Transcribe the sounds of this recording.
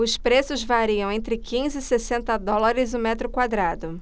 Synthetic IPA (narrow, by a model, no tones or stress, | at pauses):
ʊspɾesʊzvaɾiɐ̃w̃ẽnt̪ɾɪkĩzɪːsesẽnt̪ɐd̪ɔlaɾɪzʊmɛt̪ɾʊkwad̪ɾad̪ʊ